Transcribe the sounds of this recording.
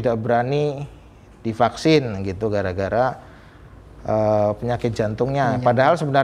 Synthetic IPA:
idaʔbəɾani | d̥ifaksɪnɡit̪uɡaɾaɡaɾa | əpəɲakɪt̪̚d͡ʒant̪ʊŋɲapadaɦalsəbənar

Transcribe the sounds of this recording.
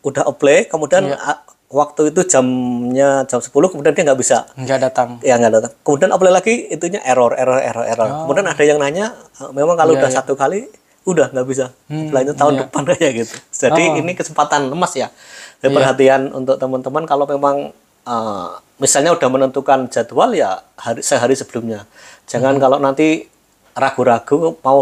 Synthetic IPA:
udaɦʔoplekəmudian | wak̚t̪uit̪̬ud͡ʒamɲad͡ʒamsə̥pulʊhkəmudiandiaŋɡaʔbisa̰adat̪aŋjaŋɡaʔdat̪aŋkəmudianʔoplelaɡiit̪uɲaʔeɾɔrḛɾɔrḛɾɔḛɾɔrkəmudianadajaŋnaɲaəmemaŋkaloudahsat̪ukali | udahŋɡaʔbis̬a | laɲat̪aʊndəpankaaɡit̪u̥d͡ʒ̥adiːnikəsəmpat̪anləmasja | dipərɦat̪ianṵnt̪ʊk̚t̪əmant̪əmankalomemaŋ | ə | misalɲaud̥ahmənənt̪ukand͡ʒ̥at̪ualja̰haɾisəɦaɾisəb̥əlumɲa | d͡ʒ̥aŋankalonant̪i | raɡ̥uɾaɡ̥umau

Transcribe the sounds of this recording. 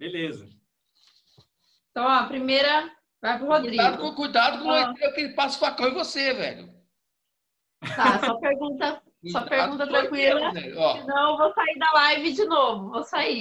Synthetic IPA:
belezɐ | ẽt̪ɐ̃w̃ɔpɾimejɾɐ | vajpɾʊhod̪ɾiadɡ̪kkujd̪ad̪ʊkõt̪ɾekɪpasʊ̥fakɐ̃w̃ɪ̃vosevɛ̰ʎʊ̰ | t̪asɔpeɾɡũnt̪ɐ | sɔpeɾɡũt̪ɐt̪ɾɐ̃kwilɐɛɔsɪnɐ̃w̃ewvosaid̪ɐlajvɪd͡ʒɪnovʊvosai

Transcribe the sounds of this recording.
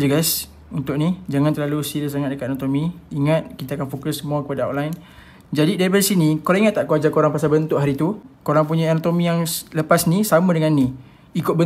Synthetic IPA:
d͡ʒuɡas | unt̪ʊʔ̚nid͡ʒaŋant̪ərlalusiɾəs̬aŋat̪̚dəkat̪̚anot̪omiiŋat̪̚kit̪aakanfokʊsːəmuakəpadao̰nlain | d͡ʒadidaɾip̬adasinikoɾaŋiŋat̪ːaʔkuad͡ʒakoɾaŋpasabənt̪ʊʔɦaɾit̪ukoɾaŋp̬uɲaanat̪omijaŋləpasnisamãdəŋanːi | ikʊt̪̚bə

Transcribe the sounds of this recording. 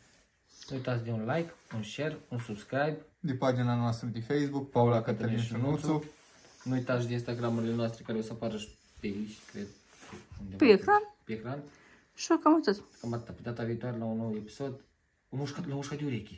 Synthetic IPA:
nuijt̪at̪sd̪ʲeunlajkunʃerunsubskɾajbd̪ʲepad͡ʒinanoast̪ɾəd̪ʲifejsbukpaulakat̪əɾʲinʃinusu | nuujt̪at̪ʃd̪ʲinst̪aɡɾamuɾʲilʲenoast̪ɾekaɾeosəapaɾəʃ | p̪ʲeit͡ʃʲkɾʲed̪ | und̪ʲepekɾanpʲeekɾan | ʃɨkamut̪osʲkamat̪ːapit̪at̪avʲiːt̪uaɾʲlaunːowepʲi̥sod̪ | umuʂkalamuʃkad̪iuɾʲekʲi

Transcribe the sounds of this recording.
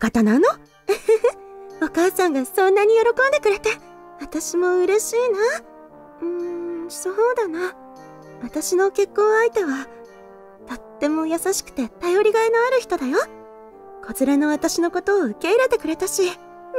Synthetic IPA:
kat̪anano | okaːsãŋɡasõ̞nːaɲ̟ijo̞ɾo̞kõ̞nd̪e̞kɯ̟ɾe̞t̪e | βat̪aɕimo̞ɯ̟ɾe̞ɕiːna | ɯ̃soːd̪ana | βat̪aɕino̞ke̞kːõːait̪e̞βa | t̪o̞t̪ːe̞mo̞jasaɕi̥kɯ̟̥t̪e̞t̪ajo̞ɾʲiɡaenoaɾɯ̟çi̥t̪o̞d̪ajo | ko̞zɨɾeno̞βat̪aɕino̞ko̞t̪o̞ːɯ̟ke̞iɾe̞t̪e̞kɯ̟ɾe̞t̪aɕi

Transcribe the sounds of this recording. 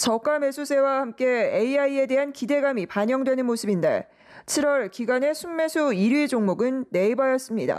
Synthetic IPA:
t͡ɕʌk͈ame̞sʰusʰe̞wahamk͈e̞eiaie̞de̞ɦankide̞ɡamipaɲʌŋdwe̞nɯnmosʰɯbinde̞̰ | t͡ɕʰiɾwʌɭkiɡane̞sʰumːe̞sʰuiɾɥid͡ʑoŋmoɡɯnːe̞ibajʌs͈ɯmɲida̰

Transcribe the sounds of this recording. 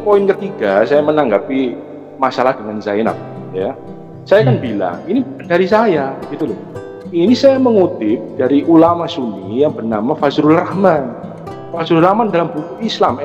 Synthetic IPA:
poɪnkət̪iɡ̥asajamənaŋɡapi | masalahd̥əŋanzajɪna̰p̚ḁ | ja | sajakanbila̰ŋinibadaɾisajaɡ̥it̪ulʊh | inisajaməŋut̪ɪp̚d̥aɾiʔulamasunijaŋbərnamafazɾulrahman | fazɾulrahmandalambukuislam

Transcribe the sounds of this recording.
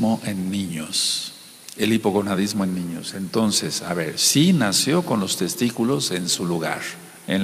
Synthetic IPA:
o̞ʔe̞nːĩɲos | e̞lipo̞ɣonaðizmo̞e̞nːĩɲo̞̰se̞nt̪o̞nse̞sa̰βe̞ɾsinasjo̞ko̞nlost̪e̞st̪ikulo̞se̞nsuluɣa̰ɾ | ḛn

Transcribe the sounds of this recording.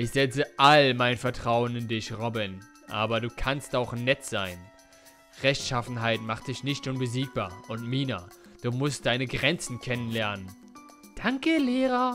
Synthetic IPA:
ʔɪçz̥ɛt͡səʔalmaɪnfɛɐtʁ̥aʊənɪndɪçʁɔbɪn | ʔa̰ːbɐduːkʰanstaʊxnɛtz̥aɪn | ʁɛçtʃafn̩ɦaɪtmaχt̚d̥ɪçnɪçtʔʊnbəziːk̚b̥aːɐʔʊntmiːna | d̥uːmʊst̚d̥aɪnəɡʁɛnt͡sn̩kʰɛnənlɛɐnən | d̥aŋkəleːʁa

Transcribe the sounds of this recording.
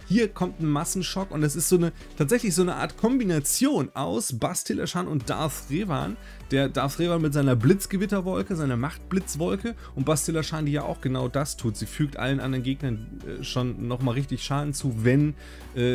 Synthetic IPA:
hiːɐkʰɔmtn̩masn̩ʃɔkʊntdɛs̬ɪstz̥oːnə | tʰaːtz̥ɛçlɪçz̥oːnəʔa̰ːɐtkʰɔmbinat͡sjoːnʔaʊsb̥astʰɪlʔa̰ʃaːnʊnt̚d̥a̰ɐfʁeːva̰ːn | d̥eːɐdaɐsʁeːvaːnmɪtzaɪnɐblɪt͡sɡ̥əvɪtɐvɔlkəzaɪnɐmaχt̚b̥lɪt͡sv̥ɔlkəʔʊnt̚b̥astɪlɐʃaːndiːja̰ːʔa̰ʊxɡ̥ənaʊdastʰuːtz̥iːfyːk̚tʔa̰lənʔa̰ndɐʁɐnɡeːɡnɐn | ʔɛ̰ːʃoːnːɔχmaːlʁɪçtɪçʃaːdn̩t͡suːvɛn | ʔɛː

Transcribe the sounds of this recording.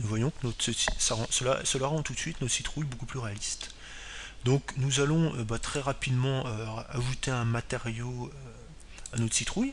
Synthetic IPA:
nuvwajɔ̃knɔt̪χsəsi̥saʁɑ̃səla̰səlaʁɑ̃t̪ut̪sɥit̪nɔt̪sit̪χujbokuplyʁealist̪ | d̪ɔ̃knuzalɔ̃øbat̪χɛʁapid̪mɑ̃øaʒut̪eɛ̃mat̪eʁjoø | anɔt̪χsit̪χuj

